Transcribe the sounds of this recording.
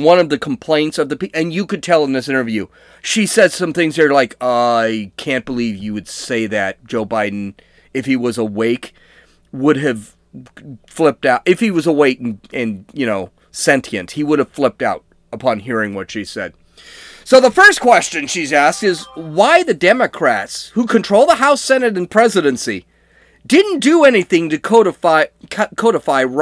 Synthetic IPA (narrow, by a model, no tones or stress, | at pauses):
wʌ̃nʌvðɨkʰm̩pʰl̥ẽɪ̃ntsʌvðɨpiʔɨ̃njɨkɨd̚tʰɛlˠə̃n̩ðɪsɪ̃ñə˞vjʉ | ʃisɛd̥sʌ̃mθɪ̃ŋzə˞laɪkʌɪkʰæ̃n̚b̥əlivjɨwɨd̥seɪðɨt̚d̥ʒ̥oʊbaɪdⁿn̩ | ɨfhiwʌzəweɪk | wʊɾɨv̥ | flɪp̚taʊɾʔɨfhiwʌzəweɪkn̩ɨ̃njɨñoʊ | sɛ̃ntʰiɨ̃nshiwʊɾɨv̥flɪp̚taʊɾ | əpʰɑ̃nɦiɹɪ̃ŋwʌtʃi̥sɛd̥̚ | soʊðəfɜ˞skʰw̥ɛst͡ʃɨ̃nʃizæstɨzwaɪðɨdɛmɨkʰɹ̥ætshukʰɨ̃ntʰɹ̥oʊl̚ˠðəhaʊsɛnɨɾɨ̃n̩pʰɹ̥ɛzɨɾɨ̃nsi | dɪdⁿn̩d̥ɨɛniθɪ̃ŋtɨkʰoʊɾəfaɪkʰkʰoʊɾəfaɪ